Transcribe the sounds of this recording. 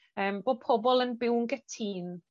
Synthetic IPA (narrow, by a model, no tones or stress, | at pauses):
əːmb̥oːd̚pʰɔbɔlˠənbɪwŋɡɛtʰiːn